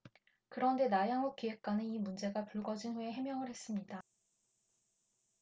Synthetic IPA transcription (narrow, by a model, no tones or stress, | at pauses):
kɯɾʌnde̞najaŋok̚k͈iɦe̞k̚k͈wanɯnimund͡ʑe̞ɡapuɭɡʌd͡ʑinɸue̞ɦe̞mjʌŋɯɭhe̞s͈ɯmɲida